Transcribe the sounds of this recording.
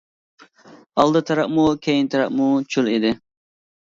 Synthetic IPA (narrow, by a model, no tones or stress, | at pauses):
ɑlˠd̪ɨt̪ʰɑɾɑʔmukʲʰejint̪ʰɑɾɑʔmut͡ʃʰulid̪ɪ